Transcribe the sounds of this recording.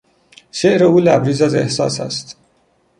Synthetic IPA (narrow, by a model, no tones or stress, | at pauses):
ʃeʔɾeulæbɾizæzḛhsɑ̰ːsæ̰st̪ʰ